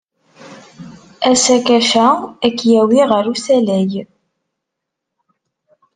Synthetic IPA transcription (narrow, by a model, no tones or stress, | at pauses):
æsækæʃæækːjæwiʁəɾusælæj